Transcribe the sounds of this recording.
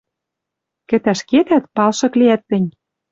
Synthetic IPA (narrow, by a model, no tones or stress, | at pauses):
kɘ̆t̪æʃket̪æt̪̚pɑlʃɤ̆kliæt̪ːɘ̆nʲ